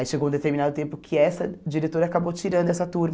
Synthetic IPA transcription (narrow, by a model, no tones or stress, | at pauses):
aiʃeɡowũd̪et̪eɾminad̪ʊt̪ẽmpʊkʰɪɛsɐd͡ʒiɾet̪oɾɐakabot͡ʃiɾɐ̃nd̪ʊɛsɐt̪uɾm